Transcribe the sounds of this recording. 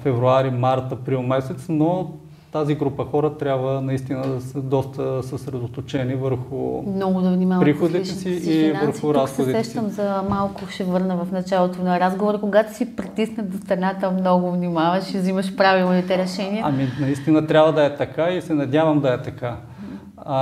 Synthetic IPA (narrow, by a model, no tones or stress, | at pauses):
fɛvɾuaɾimaɾt̪əpɾilˠmɛsɛt̪sno | t̪aziɡɾupəxɔɾət̪ɾʲjabvənɐist̪inəd̪ɐsəd̪ɔst̪əsəsɾɛd̪ot̪ot͡ʃɛnivəɾxʊ̰mnɔɡʊd̪ɐvnimavpɾɾixod̪it̪ɛsiivəɾxʊɾassxɛodsiɾɛʃt̪əmzɐmalˠkʊʃɛvɤɾnəvɐfnɐt͡ʃalˠot̪onɐɾazɡovoɾəkoɡat̪ʊsipɾit̪isnəd̪ost̪ɾɐnat̪əmnɔɡʊvnimavɐʃizimɐʃpɾavilˠnit̪ɛɾɛʃɛniəɐminɐist̪inət̪ɾʲjabvəd̪ɐɛt̪ɐkaisɛnɐd̪ʲavɐmd̪ɐɛt̪ɐka